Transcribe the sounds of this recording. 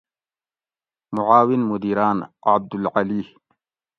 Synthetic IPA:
mʊʕaːwɪnmʊd̪iːɾaːnʕab̚d̪ʊlʕaliːh

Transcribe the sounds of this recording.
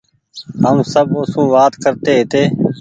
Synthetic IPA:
ɦəmsəbʊsũːʋaːt̪kəɾt̪eːɦt̪eː

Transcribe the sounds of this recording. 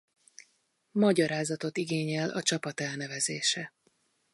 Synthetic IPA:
mɒɟɒɾaːzɒt̪o̞t̪iɡeːɲɛlɒt͡ʃɒpɒt̪ɛlnɛvɛzeːʃɛ

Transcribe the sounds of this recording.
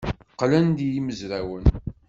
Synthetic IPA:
qːlænd̪ijiməzɾæwən

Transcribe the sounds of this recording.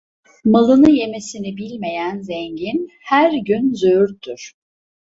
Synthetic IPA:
malˠɯnɯje̞me̞sinibilʲme̞jænzɛɲɟin | hæɾɟynzøyɾt̪ʰːyɾ̥

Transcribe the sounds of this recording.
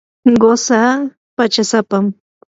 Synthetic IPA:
ɢosa | pat͡ʃasapam

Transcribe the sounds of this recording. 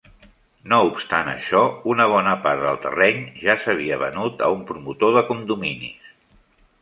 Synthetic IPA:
noupst̪anə̰ʃɔunəβ̞ɔnəpaɾðəlˠt̪ə̰rɛɲʒasəβ̞iəβə̰nut̪ə̰umpɾumut̪oðəkumd̪uminḭs

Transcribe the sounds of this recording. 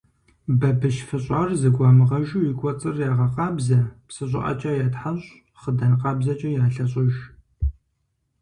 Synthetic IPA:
bɐbɨʃfɨɕʼarzɨɡʷɑːmɨʁɐʒujɪkʷʼɔt͡sʼɨrjaːʁɐqɑːbzɐpsɨɕʼɪ̰ʔɐ̰t͡ʃʼɐjaːtħaɕ | χədɐnqɑːbzɐt͡ʃʼɐjaːɬɐɕʼɪʒ

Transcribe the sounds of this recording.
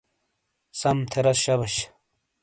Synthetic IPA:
sɐmt̪ʰeɾɐsɕɐbɐɕ

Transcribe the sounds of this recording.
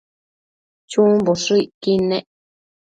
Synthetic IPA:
t͡ʃumboʂuikinẽʔ

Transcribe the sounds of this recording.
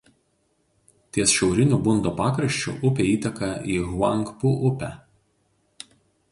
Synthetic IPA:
t̪ʲiɛsʃʲɛʊɾʲɪnʲuːbʊnd̪oːpɑːkɾɐʃʲt͡ʃʲṵˑʔʊpʲeːiːt̪ʲɐkɐiːɣʋɑŋˑkpʊʔʊpʲæ

